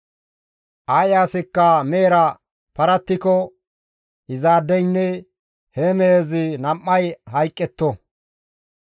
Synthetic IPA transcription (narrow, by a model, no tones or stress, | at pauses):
ʔɐjaːsɪkːɐmeːɾɐ | pɐɾɐt̪ːɪkɔ | ɪzaːd̪ːɛjnːɛ | hɛmeːzɪnɐmːɐjɦɐjkʼːɛt̪ːɔ